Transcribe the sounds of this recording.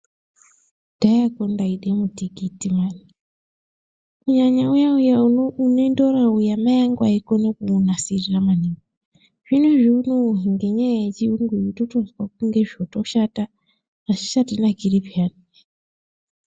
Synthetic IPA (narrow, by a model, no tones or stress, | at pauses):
d̥ajakondaiɗemutiɡitimaːni | kuɲaɲaujaujaunoendoɾaujamajaŋɡwaikonokunasiriramaniŋɡo | ʐ̥inweʐiunoɦiŋɡe̞ɲajajet͡ʃiuŋɡiitotozwak̚uŋɡe̞ʐiotoʃataː | ʃi̥ʃatinaɡiribʱiani